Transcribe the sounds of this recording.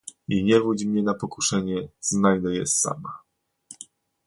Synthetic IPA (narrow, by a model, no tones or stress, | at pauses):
iɲɛvud͡ʑmɲɛnapɔkuʂɛɲɛznajd̪ɛjɛ̰sa̰ma